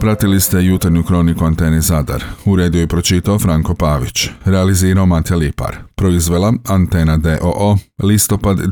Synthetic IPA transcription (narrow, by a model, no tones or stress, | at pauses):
pɾat̪ilist̪e̞jut̪aɾɲukɾo̞nikuant̪e̞nizad̪a̰ɾuɾe̞ːd̪ioipɾo̞t͡ʃit̪aofɾaŋko̞paːʋit͡ʃɾealiziːɾaomat̪alipa̰ɾpɾo̞izʋe̞lˠaant̪e̞nad̪eʔoʔolist̪o̞pad̪